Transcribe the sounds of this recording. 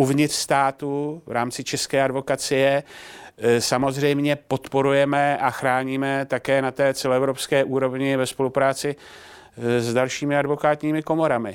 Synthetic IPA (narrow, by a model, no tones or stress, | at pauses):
uvɲɪt̪r̥st̪aːt̪uvɾaːmt͡sɪt͡ʃɛskɛːadvo̞kat͡sɪjɛ | samo̞zrɛjmɲɛpo̞t̪po̞ɾujɛmɛaxɾaːɲiːmɛt̪akɛːnat̪ɛːt͡sɛloɛvɾopskɛːʔuːɾo̞vɲɪvɛspo̞lupɾaːt͡sɪ | zdalʃiːmɪadvo̞kaːt̪ɲiːmɪko̞mo̞ɾamɪ